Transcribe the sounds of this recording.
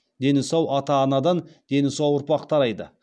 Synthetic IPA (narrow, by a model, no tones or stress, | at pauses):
d̪e̞nɪsɑwʔɑt̪ɑːnɑd̪ɑnd̪̥e̞nɪsɑwʊɾpɑqt̪ʰɑɾɑjd̪ə̰